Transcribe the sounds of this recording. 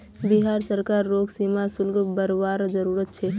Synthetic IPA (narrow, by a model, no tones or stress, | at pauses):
biɦaɾsəɾkaɾːoɡsimasʊlɡbəɾʋaɾd͡ʒəɾuɾət̪̚t͡ʃʰɛ